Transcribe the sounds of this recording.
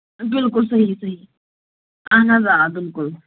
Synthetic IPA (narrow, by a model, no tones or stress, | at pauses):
bɪlkʊlsɐɦisɐɦi | anazabɪlkʊl